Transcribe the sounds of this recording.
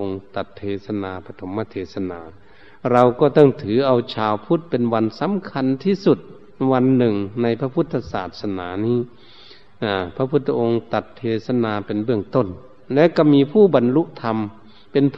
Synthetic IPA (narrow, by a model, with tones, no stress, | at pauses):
ʔo˧ŋt̪a˨˩t̪ʰːeː˧˩sa˧naː˧pʰa˧t̪ʰo˨˦mːaː˧t̪ʰeː˧˩sa˧naː˨˧ | ɾa˧wkɔː˧˩t̪ɔ˥˩ŋt̪ʰɯː˨˦ʔa˧wt͡ɕʰaː˨˧wpʰu˦˥˩t̪̚pe˧˨nwa˧nsa˨˦mkʰa˧˥nt̪ʰiː˧˥˩su˧˩t̪̚ | ʋa˧nːɯ˨˩ŋna˧jpʰa˧pʰu˧˥˩t̪ʰːa˧saː˨˩t̪̚sa˧naː˨˦niː˧˥˨ | ʔa˧˩pʰa˧pʰu˧˥t̪ʰːa˧ʔo˧ŋt̪a˨˧˩t̪ʰːeː˧sa˧naː˧pe˨nbɯ˥˩əŋt̪o˧˥˩n | lɛː˦˧˥ka˧˩miː˧pʰuː˥˩ba˨nlu˧˥ʔt̪ʰa˧m | pe˧˨np